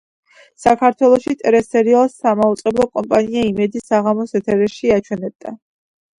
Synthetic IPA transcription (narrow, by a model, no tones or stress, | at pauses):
sakʰaɾt̪ʰwɛlˠɔʃit̪ʼɛɾɛsɛɾialˠsamaut̪sʼɛblˠɔkʼɔmpʼaniaimɛd̪isaʁamɔsɛt̪ʰɛɾɛʃiat͡ʃʰwɛnɛb̚d̪a